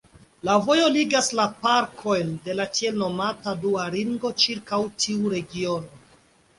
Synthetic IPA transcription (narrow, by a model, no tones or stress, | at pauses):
lavo̞jo̞liɡaslapaɾkʰo̞jnde̞latie̞lno̞mataduaɾiŋɡo̞t͡ʃiɾkawtʰiuɾe̞ɡio̞no